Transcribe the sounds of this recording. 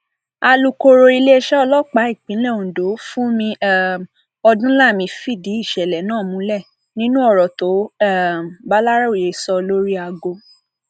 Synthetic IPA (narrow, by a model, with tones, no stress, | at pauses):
a˧lu˧ko˧ɾo˧i˧le˦e˧ʃɛ˦ɔ˧lɔ˦k͡pa˨˦i˦˨k͡pĩ˨˦lɛ˦˨ũ˨do˨˦fũ˦mĩ˧˦ | ɔ˧dũ˦la˦˨mĩ˧fi˦˨di˨˦i˦˨ʃɛ˨lɛ˨nãː˦˨mũ˧˦lɛ˦˨ | nĩ˦nũ˦ɔ˦˨ɾɔ˨to˨˦ɛ˦˨m˨ba˦la˦ɾa˦o˨je˨sɔ˧lo˦ɾi˦a˧ɡo˧